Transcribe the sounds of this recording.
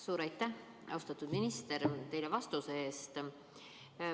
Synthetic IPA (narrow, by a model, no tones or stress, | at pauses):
suːɾɑjt̪ːˑæh | ɑ̰wst̪ɑt̪ːˑud̪minist̪e̞ɾt̪e̞jlevɑst̪useeːst̪